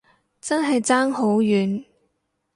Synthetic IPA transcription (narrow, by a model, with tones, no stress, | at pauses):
t͡sɐ˥nɦɐ˨jt͡saː˥ŋɦo˨˥wjyː˨˥n